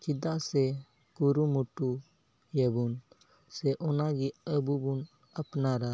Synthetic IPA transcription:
kɪd̪ase | kuɾumuʈu | jəbun | seʔɔnaːɡiəbubun | əpnaːɾa

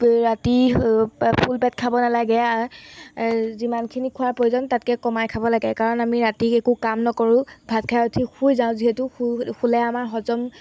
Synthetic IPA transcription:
ɹati | pʰulpɛt̚kʰabɔnalaɡɛaɹ | zimankʰinikʰʊwaɹpojzɔntat̚kɛkɔmajkʰabɔlaɡɛkaɹɔnamiɹatiekukamnɔkɔɹʊ̃bʱat̚kʰajotʰixʰujzãʊ̃ziɦetʊxʰulɛamaɹɦɔzɔm

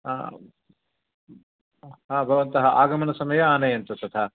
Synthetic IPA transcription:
a | ɦãːbʱɐʋɐnt̪ɐɦɐʔaːɡɐmɐnɐsɐmɐjɐaːnɐjɐnt̪ɐt̪ɐt̪ʰɐ

